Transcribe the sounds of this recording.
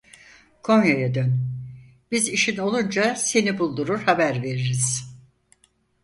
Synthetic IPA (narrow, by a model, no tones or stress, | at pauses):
kʰo̞njajad̪øn | b̥iziʃino̞lˠund͡ʒase̞nibulˠd̪uɾuɾhabæɾve̞ɾiɾiz̥